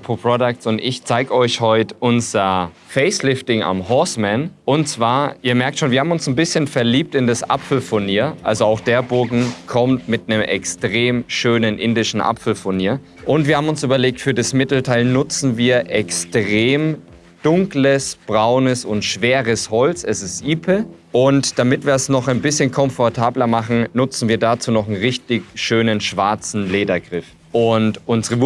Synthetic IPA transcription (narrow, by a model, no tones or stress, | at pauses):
pʰopʁ̥ɔdak̚tsʊntɪçt͡saɪɡəɔʏçhɔʏtʔʊnzɐ | fɛɪslɪftɪŋa̰mhɔsmɛnʔʊntt͡sv̥aːɐʔiːɐmɛɐk̚tʃoːnviːɐhabmʊnsn̩bɪsçənfɛɐliːp̚tɪndasʔa̰pfl̩fʊɐniːɐʔa̰lzoaʊxd̥eːɐbʊɐɡŋ̩kʰɔmtmɪtnəmʔɛ̰kstʁ̥eːmʃøːnənʔɪndɪʃn̩ʔa̰pfl̩fʊɐniːɐ | ʔʊntv̥iːɐhabm̩ʊnsʔyːbɐleːk̚tfyːɐdasmɪtl̩tʰaɪlnʊt͡sn̩viːɐʔɛkstʁeːm | d̥ʊŋkləsb̥ʁaʊnəsʊntʃv̥eːʁəshɔlt͡sɛsɪstʔiːpʰəʔʊntd̥amɪtv̥iːɐɛsnɔχaɪnbɪsçənkʰɔmfɔɐtʰaːblɐmaχn̩nʊt͡sn̩viːɐdat͡suːnɔχn̩ʁɪçtɪçʃøːnənʃv̥aɐt͡sn̩leːdɐɡʁɪf | ʔʊntʔʊnzəʁə